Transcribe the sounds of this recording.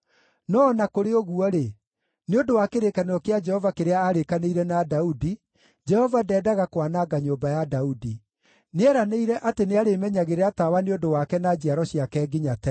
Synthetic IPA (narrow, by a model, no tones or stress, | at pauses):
nɔːnakoɾeoɣuɔɾe | neondowakeɾekaneɔkead͡ʒɛhɔvakeɾeaːɾekaneiɾɛnadaudi | d͡ʒɛhɔvadɛːdaɣakwanaɡaɲoːbajadaudi | neɛɾaneiɾɛʔateneaɾemɛɲaɣeɾeatawaneondowakɛnad͡ʑiaɾɔɕiakɛːɡiɲatɛ